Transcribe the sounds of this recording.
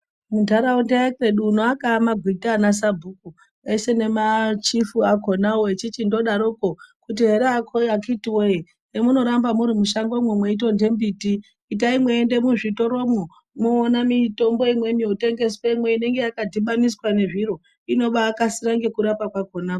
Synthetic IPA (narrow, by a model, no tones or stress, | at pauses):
mudʱaɾaundaakeɗuːnoakamaɡʱwitanas̬abʱuku | e̞se̞ne̞mat͡ʃifuako̞nawoet͡ʃit͡ʃindo̞ɗaɾokokut̬iɦe̞ɾeakʰoakitiwoje | emuno̞ɾambamuɾimuʃaŋɡomwemwe̞ito̞nde̞mbitiː | t̬aimwe̞ːnde̞muʐito̞ɾo̞mu | moːnamito̞mbo̞imwe̞nijote̞ŋɡe̞sweimwe̞ine̞ŋɡe̞jakadʱiɓamiswane̞ʐiɾo̞ | ino̞ɓaːkasiɾaŋɡekuɾapakwakonaːko̥